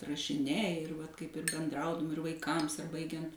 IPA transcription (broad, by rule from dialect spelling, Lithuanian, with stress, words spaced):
rɐʃʲɪˈnʲɛɪ ɪr ʋɐt kɐɪp ɪr bʲɛnˈdrɐʊdʊm ɪr ʋɐɪˈkɐms ɐr ˈbɐɪɡʲɛnt